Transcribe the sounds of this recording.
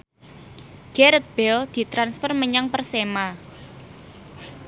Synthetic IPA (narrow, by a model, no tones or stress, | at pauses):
ɡ̥ɛɾət̪̚b̥ɛld̪̥i̤t̪ɾansfərməɲaŋpərsema